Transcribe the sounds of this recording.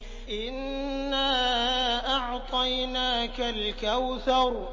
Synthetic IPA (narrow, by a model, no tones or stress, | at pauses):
ʔɪnːaːʔɑʕt̪ˤɑjnaːkalkawθɑɾˤ